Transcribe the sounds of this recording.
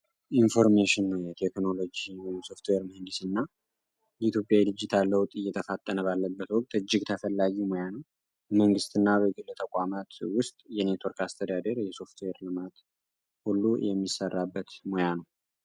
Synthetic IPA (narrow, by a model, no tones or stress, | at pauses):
ʔinfo̞ɾmeʃɪnːəwjɛt̪ʰekno̞lo̞d͡ʒiwjɪmso̞ft̪weɾməhɨnd̪isɨnːa | jɛit̪ʰjo̞pʼjajlɨd͡ʒːit̪ʰalːəwt̪ʼɨjːɛt̪ʰəfat̪ʼːənəβalːəbːət̪wɔk̚ʼt̪ʼɨd͡ʒːɪɡt̪ʰəfəlːaɡimojanəw | bməŋɡɨst̪ʰɨnːabəɡɨlːət̪ʰəkʷʼamat̪wʊst̪ʼjɛne̞t̪wɔɾkast̪ʰəd̪ad̪əɾjɛso̞ft̪weɾlɨmat̪ | hulːujɛmːisərːabːət̪mojanəw